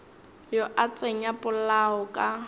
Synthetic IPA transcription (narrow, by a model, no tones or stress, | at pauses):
jɔʔat͡sʼeɲapʼʊlaɔkʼa